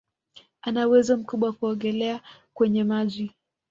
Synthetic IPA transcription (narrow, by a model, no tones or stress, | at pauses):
anauwɛzɔm̩kuɓwakuɔŋɡɛlɛakwɛɲɛmaʄi